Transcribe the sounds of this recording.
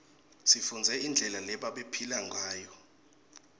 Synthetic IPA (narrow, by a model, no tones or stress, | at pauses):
sifund͡zʱɛind͡ɮʱɛlalɛɓaɓepʰilaŋɡʱaːjɔ